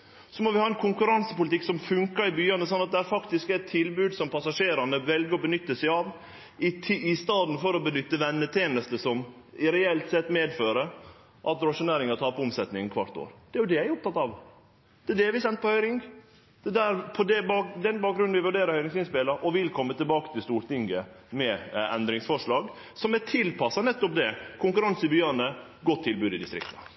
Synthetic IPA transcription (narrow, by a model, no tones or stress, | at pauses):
sɔmɔʋɪhɑːɛnkʰʊŋkʉɾɑnsəpʊlət̪ʰɪksɔmfʉŋkɑɾɪbyːɑnəsɑnːɑt̪̚d̪ɛæɾfɑkt̪ɪskæt̪ʰːɪlbʉːd̪sɔmpʰɑsɑʂeːɾɑnəʋɛlɡəɾɔbənʏt̪ːəsæɪɑʋ | ɪɪst̪ɑːd̪n̩fɔɾɔbənʏt̪ːəʋɛnːət̪ʰjeːnəst̪əsɔm | ɪɾɛɛlt̪sɛt̪ːmeːd̪føːɾə | ʔɑt̪ɾʊɑʂʊneːɾɪŋɑt̪ʰɑːpʊmsɛt̪nɪŋənkʰʋɑ̰ʈt̪o̰ːɾd̪̥ɛæɾjʊd̪ɛæʊpt̪ʰɑt̪ːɑʋ | d̪̥ɛæd̪ɛɾʋɪsɛnt̪̚pɔhœʏɾɪŋ | d̪̥ɛd̪æɾpʰɔd̪ɛbɑd̪ɛnbɑːk̚ɡɾʉnʋɪʋʉɖeːɾəɾhœʏɾɪŋsɪnspɛləɾʔɔʋɪlkʰɔmːət̪ʰɪlbɑːkət̪ʰɪlst̪uːɾʈ̪ɪŋɡə | mɛɛ̰nd̪ɾɪŋsfɔʂɭɑːɡ | sɔmæʈʰɪlpʰɑsːɑnɛt̪ːɔp̚d̪ɛkʰʊŋkʉɾɑnsəbʏøːnə | ɡɔt̪ʰːɪlbʉːd̪ɪd̪ɪst̪ɾɪ̰kt̪ə̥